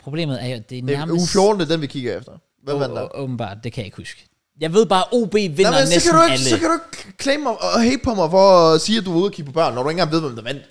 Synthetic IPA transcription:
pʰʁo̝b̥le̝̰ːmð̩ˠæɐjod̥e̝næɐɐmufjo̝ːd̥n̩d̥ed̥enʋikʰiɡ̥əefd̥ɐ | ʋæʋæd̥ɔːb̥n̩b̥ɑ̰̈ːd̥̚d̥e̝kʰæjɑɪ̝ɡ̥husɡ̥ | jɑ̈ɪʋe̝ð̞̰ˠb̥ɑ̈ːʔo̝̰ːb̥e̝̰ːʋennmenskʰæɾuelsɒ̽kʰæɾ̥ue̝ɡ̥kʰleːmmɑɪɦeɪb̥̚pʰɒ̽mɑ̈ɪfɒsiːæd̥uʋuðˠɐkʰiɡ̥̚pʰɒ̽b̥ɶɐ̰nːɒɾuenɡ̥ɑ̈ŋnʋe̝ð̞̰ˠʋɔmd̥æʋæn̰d̥

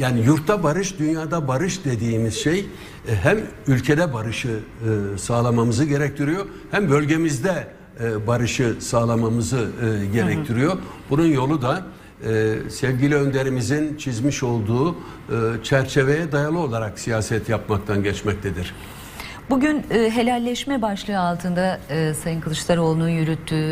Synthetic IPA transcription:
jaːnijuɾt̪ʰːabaɾɯʃd̪ynjaːd̪abaɾɯʃd̪e̞d̪iːmiz̥ʃej | ɦæmylʲcʰe̞d̪ɛbaɾɯʃɯ | saːlˠamamɯzɯɟe̞ɾɛc̚t̪ʰiɾijo̞ | hæmbø̞lʲɟe̞mizd̪ɛ | baɾɯʃɯsaːlˠamamɯzɯɟe̞ɾɛct̪ʰiɾijo̞bununjo̞lˠud̪a | sɛvɟilʲiø̞nd̪e̞ɾimizint͡ʃʰizmiʃo̞lˠd̪uː | t͡ʃʰæɾt͡ʃʰe̞ve̞jɛd̪ajalˠɯo̞lˠaɾaksijaːsɛt̪japmakt̪ʰanɟɛt͡ʃmɛc̚t̪ʰed̪iɾ̥ | buɟynːɦe̞lʲælʲːɛʃmɛbaʃlˠɯɯalˠt̪ʰɯnd̪aɯsajɯnkʰɯlˠɯʃlˠaɾo̞lˠununjyɾyt̪ʰːyː

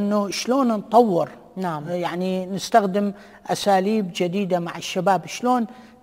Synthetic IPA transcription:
nːuʃloːnnt̪ˤɑwːɪɾ | jaʕninɪst̪axd̪ɪm | ʔasaːliːbd͡ʒɪd̪iːd̪amaʕɪʃːabaːbʃloːn

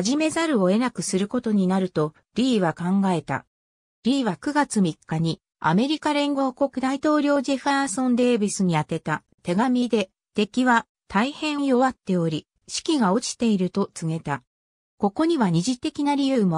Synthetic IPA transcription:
aʑime̞zaɾɯ̟o̞e̞nakɯ̟sɨɾɯ̟ko̞t̪o̞ɲ̟inaɾɯ̟t̪o̞ | ɾʲiːβakãŋɡae̞t̪a̰ | ɾʲiːβakɯ̟ɡat͡sɨmʲikːaɲ̟i | a̰me̞ɾʲikaɾẽ̞ŋɡo̞ːko̞kɯ̟d̪ait̪o̞ːɾʲo̞ːʑeɸ̟aːsõ̞nd̪e̞ːbɯsɨɲ̟iat̪e̞t̪a | t̪e̞ɡamʲid̪e̞ | t̪e̞kʲiβa | t̪ʰaihẽ̞ɰ̃ɰ̃jo̞βat̪ːe̞o̞ɾʲi | ɕi̥kʲiɡao̞t͡ɕi̥t̪e̞iɾɯ̟t̪o̞t͡sɨŋe̞t̪a | ko̞ko̞ɲ̟iβaɲ̟iʑit̪e̞kʲinaɾʲijɯ̟ːmo

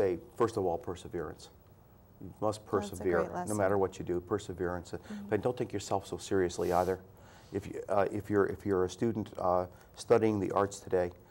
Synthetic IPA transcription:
seɪfɜ˞stʌvɔlˠpʰɜ˞sɨvɪɹɨ̰̃ns | jɨmʌspʰɜ˞səvɪɹnoʊmæɾə˞wʌt͡ʃɨdɨpʰɜ˞sɨvɪɹɨ̃nsb̥ʌaɪdõʊ̃nθɪ̃ŋkjə˞sɛlˠfsoʊsɪɹiɨsliaɪðə˞ | ɨfjɪfjə˞ʔɪ̰fjə˞ɨstʉdⁿn̩t | stʌɾiɪ̃ŋðḭʔɑɹtstʰɨdeɪ

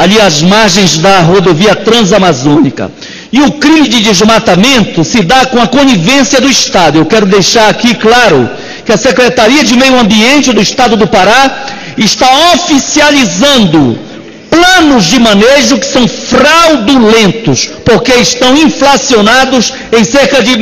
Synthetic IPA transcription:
aʎiɐzmaɾʒẽj̃zd̪ɐɦod̪oviɐt̪ɾɐ̃zamazõnikɐ̰ | ɪʊkɾĩmɪd͡ʒɪd̪ɪzmat̪amẽnt̪ʊsɪd̪akõɐkõnivẽsjɐd̪ʊɪʃt̪ad̪ʊewkɛɾʊd̪ejʃaɾakiklaɾʊ̰ | kɪɐsekɾet̪aɾiɐd͡ʒɪmejʊɐ̃mbiẽnt͡ʃɪd̪ʊiʃt̪ad̪ʊd̪ʊpaɾa | ɪʃt̪aofisializɐ̃nd̪ʊ | plɐ̃nʊzd͡ʒɪmɐ̃neʒʊkɪ̥sɐ̃w̃fɾawd̪ulẽnt̪ʊspoɾkeɪʃt̪ɐ̃w̃ĩflasionad̪ʊs | ẽj̃seɾkɐd͡ʒɪ

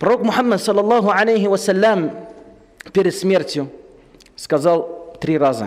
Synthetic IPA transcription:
pɾˤoːkmʊħamːad̪sˤɑlːɑlˤːɑːɦʊʕalajɦɪwasalːam | piɾɪsmɪɾt̪ju | skɑzɑlt̪ɾiːɾˤɑːza̰

